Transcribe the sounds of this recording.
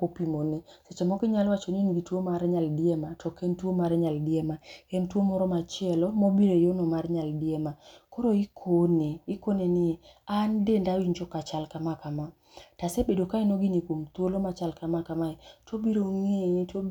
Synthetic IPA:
popimoneset͡ʃɔmɔkɪɲalwat͡ʃoninɡitwomaɾɲaldɪɛmatɔkɛntwomaɾɛɲaldɪɛmakɛntwomɔɾɔmat͡ʃɪɛlɔmobiɾejonɔmarɲaldɪɛmakɔɾoikʰoneikonenɪandendawiɲd͡ʒɔkat͡ʃalkamakama | tasebedokainoɡinikwomt̪wolomat͡ʃalkamakamaɛtobiɾoŋeto

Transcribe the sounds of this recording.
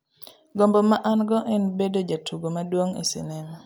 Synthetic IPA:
ɡombɔmaʔanɡɔʔɛnbedod͡ʒatʰuɡomadwoŋḛsḭnɛm

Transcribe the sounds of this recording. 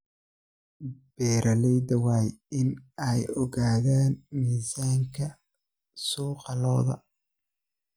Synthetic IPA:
b̥ɛːɾʔɐlɛjd̪ɐwaːjɪnɛjɔɣaːðaːnmiːsaːŋkʰɐ | sɔːqɑlɔːðɐ̰

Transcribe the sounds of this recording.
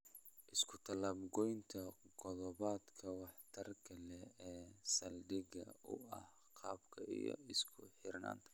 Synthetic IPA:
ʔɪskʰʊt̪ʰɐlɐbɡɔjnt̪ʰɐqɔðɔβaːd̪kʰɐwɑħt̪ʰɐrkʰɐlɛɛːsɐldɪɣɐ̰ʊɐh | qʰɑːbkʰɐijɔ̰ɪskʰʊħɪrna̰ːnt̪ʰɐ̥

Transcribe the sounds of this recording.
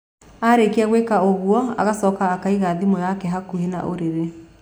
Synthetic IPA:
aɾekeɛɣwekaoɣwɔa̰ɣasɔkaːkaiɣaðimɔjakɛɦakuɦena̰ʔo̰ɾeɾe

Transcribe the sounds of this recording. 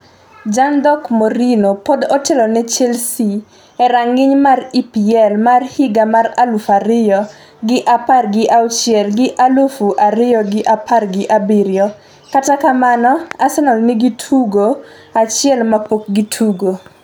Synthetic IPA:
d͡ʒandɔkmoɾinopodɔtɛlɔnɛt͡ʃɛlsi | ɛɾaŋɪɲmaripiɛlmarhɪɡamaralufaɾɪjɔ | ɡɪʔaparɡɪʔawt͡ʃjɛlɡɪʔalufuʔaɾɪjɔɡɪʔapʰarɡɪʔabɪɾjɔ | katakamanɔasɛnɔlnɪɡitʰuɡo | at͡ʃɪɛlmapok̚ɡitʰuɡo

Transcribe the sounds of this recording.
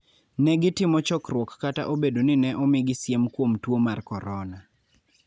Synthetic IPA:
nɛɡɪtɪmɔt͡ʃɔkrwɔkːata̰ʔobedonɪnɛʔɔmɪɡɪsjemkwomtwomarkɔɾɔna

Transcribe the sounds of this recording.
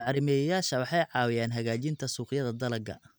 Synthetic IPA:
ʕɑɾɪmɛːjɐjaːʃɐwɑħɑjʕɑːwɪjaːnɦɐɣaːt͡ʃɪnt̪ʰɐsuːqɪjɐðɐd̪ɐlɐɡɐ̰

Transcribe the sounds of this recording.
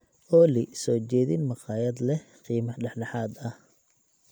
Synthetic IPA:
ʔɔːlɪsɔːt͡ʃɛːðinmɑqɑːjɐd̪lɛ | qiːmɐħɖɑħɖɑħɑːd̪ɐh

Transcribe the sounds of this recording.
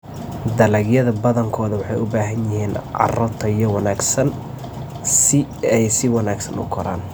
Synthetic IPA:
d̪ɐlɛɡjɐðɐbɐðɐŋkʰɔːðɐwɑħɑjʊbaːɦɐnjɪɦiːnʔɑ̰rɔt̪ʰɐjɔwɑnaːɡsɐn | sɪɛjsɪwɑnaːɡsɐ̰nʊ̰kʰɔɾa̰ːn

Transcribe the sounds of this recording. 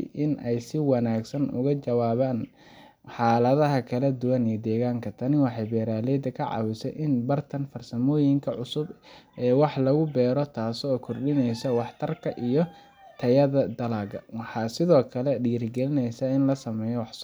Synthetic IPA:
ʔɪnʔɛjsɪwɑnaːɡsɐnʔʊ̰ɣɐt͡ʃɐwaːβaːn | ħɑːlɐðɐɦɐkʰɐlɐd̪ʊwɐnijd̪ɛːɣaːŋkʰɐt̪ʰɐnɪwɑħɑjbɛːɾaːlɛːd̪ɐkʰɐʕɑ̰wɪsɛ̰ʔɪnbɐrt̪ʰɐnfɐrsɐmɔːjɪŋkʰɐʕʊsʊbʔɛːwɑħlɐɣʊbɛːɾɔt̪ʰaːsɔːkʰʊrɗɪnɛjsɐwɑħt̪ʰɐrkʰɐʔijɔ | t̪ʰɐjɐðɐd̪ɐlaːɣɐwɑħɑːsɪðɔːkʰɐlɛɖiːrɡɛlɪnɛjsaɪnlɐsɐmɛːjɔwɑħs

